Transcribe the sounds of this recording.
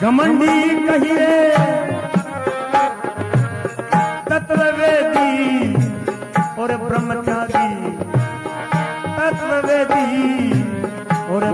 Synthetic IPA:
d͡ʒɐmənɦikɐɦieː | t̪ɐt̪ʋəʋeːd̪i | oːɾepɾɐmət͡ʃaːɾi | t̪ɐt̪ʋəʋeːd̪iɦi | oːɾe

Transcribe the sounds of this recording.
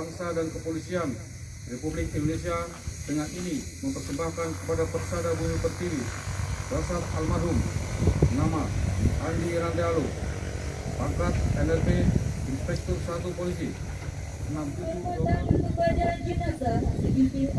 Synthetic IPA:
aŋsadankəpolisian | republɪk̚indonesia | dəŋanini | məmp̪ərsəmbahkankəpadapərsadabuɲut̪ərt̪iɾibasaralmadɦum | namaaliɾandalo | bakat̪̚ɛnɛrpeinspɛk̚t̪ɔrsat̪upolis̬i | ənamt̪uaəbad͡ʒaad͡ʒinaɡa

